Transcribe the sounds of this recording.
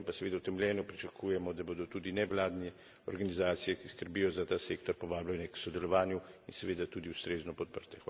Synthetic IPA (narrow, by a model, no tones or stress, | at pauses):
pasɛʋeːd̪awt̪ɛmljɛːnɔpɾit͡ʃakʰuːjɛmɔd̪abod̪ɔt̪uːd̪inɛʋlaːd̪nɛ | ɔ̰ɾɡanizaːt̪sijɛkiskəɾbijɔzat̪aːseːkt̪ɔɾpɔʋaːblanjɛksɔd̪ɛlɔʋaːnjuinsɛʋeːd̪at̪uːd̪iust̪ɾeːznɔpɔt̪̚pəɾt̪ɛx